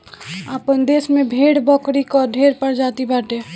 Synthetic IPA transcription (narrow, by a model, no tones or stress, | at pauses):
apənd̪esmebʱeɽbəkɾikɔɖʱeɾpəɾd͡ʒat̪ibaʈe